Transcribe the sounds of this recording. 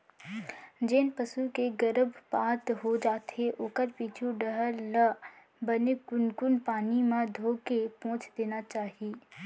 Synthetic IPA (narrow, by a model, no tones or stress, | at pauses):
d͡ʒeːnpəsukeɡəɾəbpaːt̪ɦod͡ʒaːt̪eʔʊːkəɾpiːt͡ʃʰuɖəɦəɾlə | bənekʊnkʊnpaːnimãd̪ʱoːkepɔ̃ːt͡ʃd̪eːnat͡ʃaːɦieː